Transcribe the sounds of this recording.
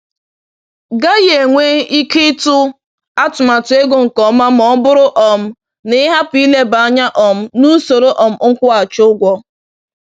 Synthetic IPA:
ɡa˦je˨ŋʷe˦i˦ki˦tʊ˦ | a˦tʊ˨ma˨tʊ˨˦e˦ɡo˦ŋ̩˨kɔ˨ma˦m̩˦ɔ˦m̩˦bʊ˦ɾʊ˦ʔɔ˨m̩˦ | nɪ˦ɦa˦pʊ˨˦i˦le˦ba˨a˦ɲa˦ʔɔ˨m̩˦nu˦so˨ɾo˦ʔɔ˨m̩˨ŋ̩˦kʷʊ˦a˨t͡ʃʊ˦ɡʷɔ˦

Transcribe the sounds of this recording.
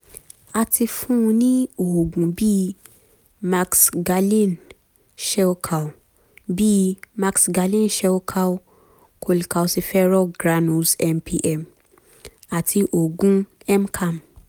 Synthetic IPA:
a˧ti˧fũ˦˧nĩ˦o˨ho˨ɡũ˨bi˦˧ | ma˧ksɡa˧lĩ˦˨n | ʃɛ˧o˧kʰa˨w | bi˦ma˧ksɡa˧lĩ˦˨nʃɛ˧o˧kʰa˧o˧ | kʰo˧li˨ka˧o˧si˧fɛ˦ɾɔ˦ɡɾa˧nũ˧sɛ˧mpʰi˧ʔɛ˨m | a˨tʰi˧ʔo˨ɡũ˦ | ɛ˦m˦kʰa˦˨m

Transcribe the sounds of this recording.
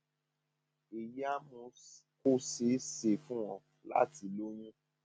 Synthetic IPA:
i˨ja˦mũ˧ | ko˦se˨˦se˨fũ˦w̃ɔ̃˦˧ | la̰˦ti˧˦lo˦j̃ũ˦

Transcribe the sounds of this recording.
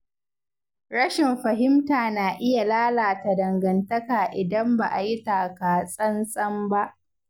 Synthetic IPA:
ɾɐ˦ʃɪ˨mɸɐ˨ɦɪ˦mtaː˨naː˨ʔɪ˦ja˨laː˦laː˨ta˨dɐ˨ŋɡɐ˨ntɐ˦kaː˨ʔɪ˨dɐ˦mba˨ʔa˨ji˦taː˨kaː˨sʼɐ˦nsʼɐ˦mba˦ʔ

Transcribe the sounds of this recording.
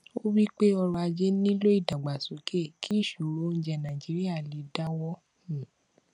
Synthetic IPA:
o˦wi˦k͡pe˦ɔ˧ɾɔ˧a˧d͡ʒe˦nĩ˦lo˦i˦˨da˨ɡ͡ba˨so˨˦ke˦˨kʰi˦˨ʃu˨ɾo˨˦n̩˦d͡ʒɛ˧nã˨d͡ʒi˨˦ɾi˦a˦˨li˨˧˦da˦wɔ˦ | hĩ˨

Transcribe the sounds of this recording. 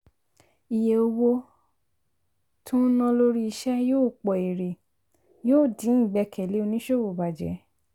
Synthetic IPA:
i˨jɛ˨o˧wo˧ | tʰũ˦nɔ̃˧lo˦ɾi˦i˧ʃɛ˦joː˦˨k͡pɔ˨e˨ɾe˨ | joː˦˨dĩ˨˦˨ɡ͡bɛ˧˦kʰɛ˨le˨˦o˧nĩ˦ʃo˦wo˨ba˨d͡ʒɛ̰˨˦

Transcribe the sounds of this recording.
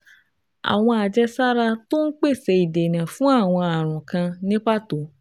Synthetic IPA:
a̰˨w̃ɔ̃˧a˨d͡ʒɛ˧sa˦ɾa˧to˦n̩˦k͡pe˦˨sɛ˧i˨de˨nã˨fũ˨˦a˦˨w̃ɔ̃˧a˨ɾ̃ɔ̃˨kã˧nĩ˦k͡pa˦˨to˨˦

